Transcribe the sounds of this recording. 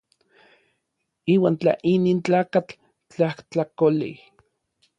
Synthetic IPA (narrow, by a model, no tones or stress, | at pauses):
iːwaːnt͡ɬa̰ʔiniːnt͡ɬaːkat͡ɬ | t͡ɬaht͡ɬakolḭh